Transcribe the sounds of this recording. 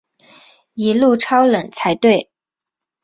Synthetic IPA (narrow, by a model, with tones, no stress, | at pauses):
i˧˥lu˥˩ʈ͡ʂʰɑ˥ʊlə˨˩ŋt͡sʰa˧˥ɪt̪we˥˩ɪ